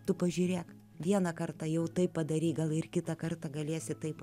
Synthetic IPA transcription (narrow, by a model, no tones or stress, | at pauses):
t̪ʊpɐʒʲuːɾʲeːk | ʋʲiɛnɐkɐrt̪ɐjɛʊt̪ɐɪppɐd̪ɐɾʲiːɡɐlˠɪrkʲɪt̪ɐkɐrt̪ɐɡɐlʲiɛsʲɪt̪ɐɪp